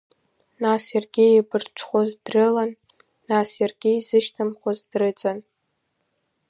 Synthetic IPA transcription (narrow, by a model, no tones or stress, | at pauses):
nasjarɡʲɪibɨrʈ͡ʂʷʰχʷozdrɨlanː | asjarɡʲɪizɨʃtʰamχʷazdrɨt͡sʼan